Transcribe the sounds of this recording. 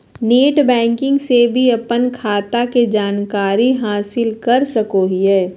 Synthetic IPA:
neːʈbɛ̃ːŋkɪ̃ŋɡsebʱiɐpənkʰaːt̪aked͡ʒaːnkaːɾiɦaːsɪlkɐɾsɐkoɦiɦɛː

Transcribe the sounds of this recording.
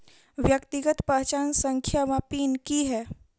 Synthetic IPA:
ʋjəkt̪iɡət̪paːt͡ʃaːnsə̃ŋkʰjamapiːnkiɦɛː

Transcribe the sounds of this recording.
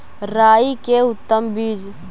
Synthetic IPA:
ɾaːikeʊt̪ːəmbiːd͡ʒ

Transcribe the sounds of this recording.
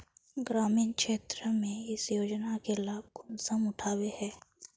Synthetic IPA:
ɡɾaːmiːnkʃeːt̪ɾəmẽɪsjoːd͡ʒnakelaːb̚ɡʊnsəmʊʈʰaːwehɛː

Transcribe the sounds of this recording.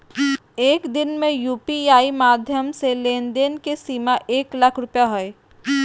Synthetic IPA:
eːkd̪ɪnmẽjuːpiaːimaːd̪ʱjəmselẽːnd̪eːnkesiːmaʔeːklɐkʰɾʊpjaɦʊe

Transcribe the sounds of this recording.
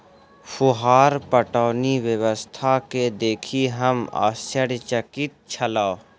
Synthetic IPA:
fʊɦaːɾpəʈaːniʋjəwəst̪ʰaked̪eːkʰiɦəma̰ːsəɽt͡ʃəkit̪̚t͡ʃʰɐlaːo

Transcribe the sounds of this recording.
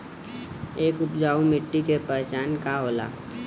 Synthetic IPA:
eːkʊpd͡ʒaːumɪʈːikepət͡ʃaːnkaɦoːla̰ː

